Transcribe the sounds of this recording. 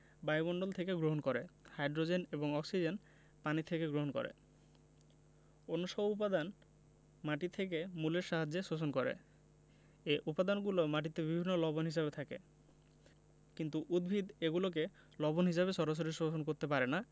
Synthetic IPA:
bajmɔɳɖolt̪ʰekeɡɾoɦonkoɾehajɖɾod͡ʑeneboŋɔksid͡ʑen | panit̪ʰekeɡɾoɦonko̰ɾḛ | onːoʃɔboupad̪an | maʈit̪ʰek̬emuleɾʃaɦad͡ʑːeʃosonkoɾḛ | eʔupad̪anɡulomaʈ̬it̪ebibʱinːolɔbonɦiʃ̬abet̪ʰakḛ | kint̪uʔud̪bʱid̪eɡulok̬e | lɔbonɦiʃaβeʃɔɾaʃ̬oɾiʃosonkoɾt̪epaɾena

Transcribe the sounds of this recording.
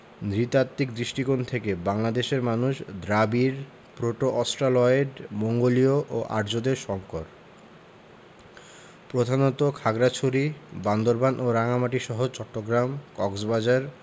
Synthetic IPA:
nɾit̪at̪ːikd̪ɾiʃʈikont̪ʰekebaŋlad̪eʃeɾmanuʃd̪ɾabiɾ | pɾoʈoʔɔsʈɾalɔeɾmoŋɡolioʔoʔa̰ɾd͡ʑod̪eɾʃɔŋkoɾ | pɾod̪ʱanot̪okʰaɡɾat͡ɕʰoɾiband̪oɾbanʔoɾaŋamaʈiʃɔɦot͡ɕɔʈːoɡɾamkɔksbad͡ʑaɾ

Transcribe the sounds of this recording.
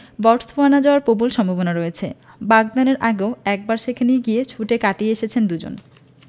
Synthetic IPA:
bɔʈsfoanad͡ʑaoaɾpobolʃɔmbʱabonaɾɔet͡ɕʰe | baɡ̚d̪aneɾʔaɡeoɛk̚baɾʃekʰeniɡiet͡ɕʰuʈekaʈieeʃet͡ɕʰend̪ud͡ʑo̰n

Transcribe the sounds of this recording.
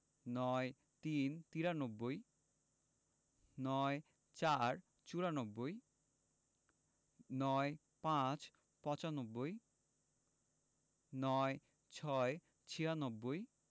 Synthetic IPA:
nɔe | t̪int̪iɾanobːoj | nɔe | t͡ɕaɾ | t͡ɕuɾanobːoj | nɔe | pãt͡ɕ | pɔ̃t͡ɕanobːoj | nɔe | t͡ɕʰɔe | t͡ɕʰiɾanobːoj

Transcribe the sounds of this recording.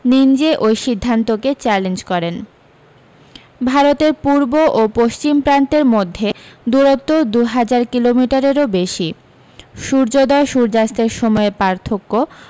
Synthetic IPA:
nind͡ʑeʔojʃid̪ʱːant̪oket͡ɕɛlend͡ʑkɔɾen | bʱaɾot̪eɾpuɾboʔopoʃt͡ɕimpɾant̪eɾmod̪ʱːed̪uɾot̪ːod̪uɦad͡ʑaɾkilomiʈaɾeɾobeʃi | ʃuɾd͡ʑod̪ɔeʃuɾd͡ʑast̪eɾʃɔmɔepaɾt̪ʰokːo

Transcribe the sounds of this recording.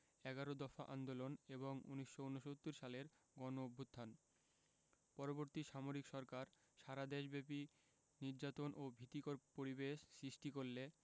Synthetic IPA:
ɛɡaɾod̪ɔfa̰ʔa̰nd̪oloneboŋṵniʃːounoʃot̪ːuɾʃaleɾ | ɡɔnobʱːut̪ʰːan | pɔɾoboɾt̪iʃamoɾikʃɔɾkaɾ | ʃaɾad̪eʃbepi | niɾd͡ʑat̪onʔobʱit̪ːikoɾpoɾibeʃsɾiʃʈikoɾle

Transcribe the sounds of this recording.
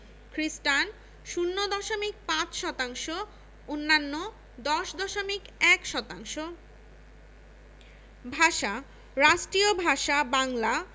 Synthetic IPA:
kɾisʈan | ʃunːod̪ɔʃomik̚pãt͡ɕʃɔt̪aŋʃo | onːanːo | d̪ɔʃd̪ɔʃomikɛkʃɔt̪aŋʃo | bʱaʃa | ɾaʃʈɾiobʱaʃabaŋla

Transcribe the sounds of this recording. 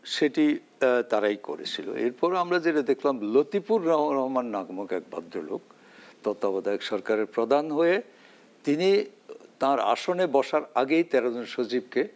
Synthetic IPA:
ʃeʈi | t̪aɾajko̰ɾḛt͡ɕʰilo̰ḛɾpɔɾamɾad͡ʑeʈad̪ekʰlamlot̪ipuɾːɔɾɔɦmanːaɡomokɛk̚ba̰d̪ːɾolo̰k | t̪ɔt̪ːabɔd̪aekʃɔɾkaɾeɾpɾod̪ʱanɦoe | t̪init̪ãɾa̰ʃonebɔʃaɾaɡejt̪ɛɾod͡ʑonʃot͡ɕib̚ke

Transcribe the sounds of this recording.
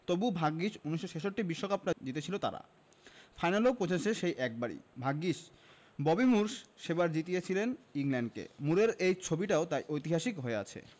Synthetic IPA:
t̪obubʱaɡːiʃuniʃːoʃeʃoʈːibiʃːokap̚nad͡ʑit̪et͡ɕʰilot̪a̰ɾa̰ | fʰajnalopɾoseseʃejʔɛk̚baɽḭbʱaɡːiʃ | bɔbimuɾʃʃebaɾd͡ʑit̪ijet͡ɕʰileniŋlɛɳɖkḛmuɽeɾejt͡ɕʰobiʈaot̪ajʔojt̪iɦaʃikɦoea̰t͡ɕʰḛ

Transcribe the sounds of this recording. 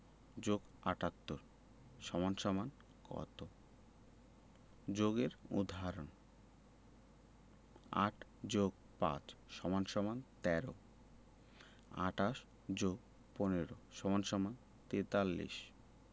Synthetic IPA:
d͡ʑoɡ | aʈat̪ːoɾ | ʃɔmanʃɔman | kɔ̰t̪o | d͡ʑoɡeɾṵd̪ʱaɾon | a̰ʈʰd͡ʑoɡ | pã̰t͡ɕʃɔmanʃɔmant̪ɛɾo | a̰ʈaʃ | d͡ʑoɡ | poneɾoʃɔmanʃɔman | t̪et̪alːḭʃ

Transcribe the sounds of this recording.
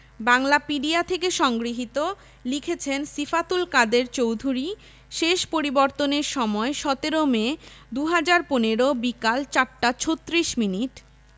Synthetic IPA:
baŋlapiɖiat̪ʰekeʃɔŋɡɾiɦit̪o | likʰet͡ɕʰensifat̪ulkad̪eɾt͡ɕowd̪ʱuɾi | ʃeʃpoɾibɔɾt̪oneɾʃɔmɔeʃɔt̪eɾomed̪uɦad͡ʑaɾponeɾobikalt͡ɕaɾʈat͡ɕʰot̪ːɾiʃminiʈ

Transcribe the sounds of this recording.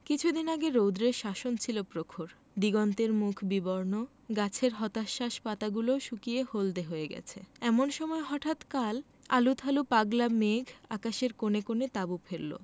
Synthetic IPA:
kit͡ɕʰud̪inaɡeɾowd̪ɾeɾʃaʃont͡ɕʰilopɾokʰoɾ | d̪iɡɔnt̪eɾmukʰbibɔɾno | ɡat͡ɕʰeɾɦɔt̪aʃːaʃpat̪aɡuloʃukiehold̪eɦoeɡɛ̰t͡ɕʰeɛmonʃɔmɔeɦɔʈʰat̪kal | a̰lut̪ʰalupaɡlameɡʱa̰kaʃeɾkonekonet̪abufʰeɾːo̰

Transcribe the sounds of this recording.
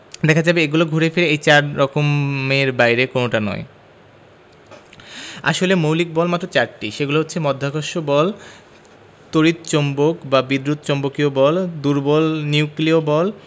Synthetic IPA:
d̪ɛkʰad͡ʑabeeɡuloɡʱoɾefeɾeejt͡ɕaɾɾɔkomeɾbajɾekonoʈanɔ̰e | a̰ʃolemowlik̚bɔlmat̪ːɾot͡ɕaɾʈiʃeɡuloɦotːɕʰemɔd̪ʱːakoʃobɔl | t̪oɾit̪t͡ɕombokbabid̪ɾut̪t͡ɕombokiobɔld̪uɾbɔlniukliobɔl

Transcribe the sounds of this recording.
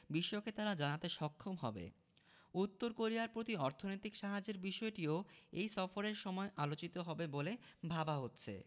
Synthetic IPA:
biʃːoket̪aɾad͡ʑanat̪eʃɔkʰːomɦɔ̰bḛ | ut̪ːoɾkoɾiaɾpɾot̪iɔɾt̪ʰonojt̪ikʃaɦad͡ʑeɾbiʃɔeʈioejsɔfoɾeɾʃɔmɔeʔalot͡ɕit̪oɦɔbebole | bʱabaɦotːɕʰḛ

